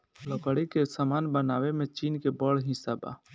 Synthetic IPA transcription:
ləkəɽikesamaːnbɐnaːwemẽt͡ʃiːnkebəɽɦɪ̃saba̰ː

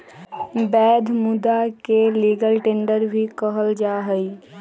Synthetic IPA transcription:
bɛːd̪ʱmʊd̪akeliːɡəlʈẽːɳɖəɾbʱikəɦəld͡ʒaːɦəi

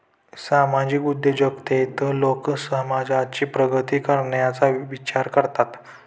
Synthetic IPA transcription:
samad͡ʑikud̪ʱːed͡ʑəkt̪et̪əlokəsəɦmad͡zʱat͡ɕiːpɾəɡʱət̪iːkəɾɳjat͡saʋit͡ɕaɾkəɾt̪at̪

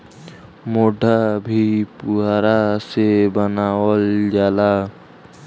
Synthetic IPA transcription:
moːɖʱabʱipʊɦaːɾasebənaːwəld͡ʒaːla

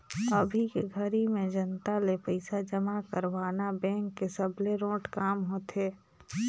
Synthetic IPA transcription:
əbʱikeɡʱəɾimẽd͡ʒənt̪alepəɪsad͡ʒəmakəɾʋaːnabɛ̃ːŋkːesəbleɾõːʈkaːmɦoːt̪ʰeː

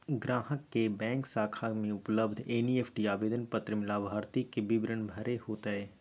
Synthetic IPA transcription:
ɡɾaːɦəkːebɛ̃ːŋksaːkʰamẽʊpləb̚d̪ʱeːnieːpʰʈiaːbeːd̪ənpət̪ɾəmɪlabʱaːɾt̪ikebɪbɾənbʱɐɾʔeɦoːt̪aɦɛː

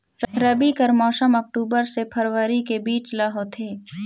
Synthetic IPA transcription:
ɾɐbikəɾmɔːsəmɔk̚ʈuːbəɾsepʰɐɾʋəɾikebiːt͡ʃlaɦot̪ʰeː

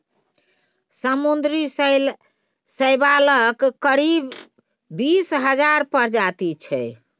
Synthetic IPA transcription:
səmund̪ɾis | səɪbaləkkəɾibː | isɦəd͡ʒaɾpəɾd͡ʒat̪it͡ʃʰɛ̰

